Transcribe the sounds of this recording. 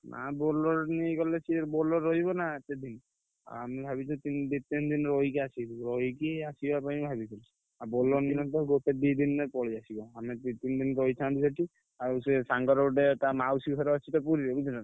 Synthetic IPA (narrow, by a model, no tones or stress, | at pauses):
nʔa̰bɔlɔɾnikɔlesʰieɾbɔlɔɾɔɦjβɔnaet̪ed̪in | a̰amibʱaβit͡ʃʰɔt̪ind̪it̪ind̪inɾɔjikɛasidiɾɔɦjkeasibapabʱabit͡ʃʰil | abɔlɔninɔt̪ɔɡot̪ed̪id̪inːepɔɭiasibɔamit̪it̪ind̪inɾɔjt͡ʃʰãd̪isɔʈi | aussaŋɡɔɾɔɖetamausiɡʱɔɾɔat͡ʃʰit̪ɔpuɾiebid͡ʒina